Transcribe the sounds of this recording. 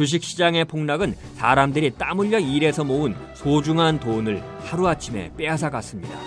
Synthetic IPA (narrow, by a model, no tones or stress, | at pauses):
t͡ɕuɕ̬ʰik̚ɕ͈id͡ʑaŋe̞pʰoŋnaɡɯn | sa̰ɾamdɯɾit͈amuʎːʌiɾe̞sʰʌmounsod͡ʑuŋɦantonɯɭ | haɾuat͡ɕʰime̞̰p͈e̞as̬ʰaɡas͈ɯmɲida̰